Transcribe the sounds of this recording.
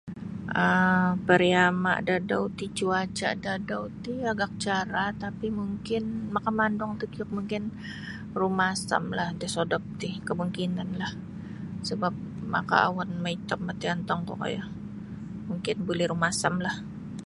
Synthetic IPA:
ʔəpəɾiama̰dadaut̪it͡ʃuat͡ʃa̰dadaut̪iaɡak̚t͡ʃaɾat̪apimuŋkɪnmakamandɔŋt̪ukɔk̚muŋkɪn | rumasa̰mlahdɛsodɔp̚t̪ikəmuŋkinanlah | səbap̚ma̰ka̰a̰wanmait̪ap̚mat̪iant̪ɔŋkɔ̰ka̰ja | muŋkɪnbulɛhɾumasamlah

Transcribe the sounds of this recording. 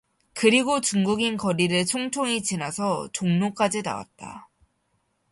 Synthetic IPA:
kɯɾiɡot͡ɕuŋɡuɡinkʌɾiɾɯɭt͡ɕʰoŋt͡ɕʰoŋit͡ɕinasʰʌt͡ɕoŋnok͈ad͡ʑina̰wa̰t̚t͈a̰

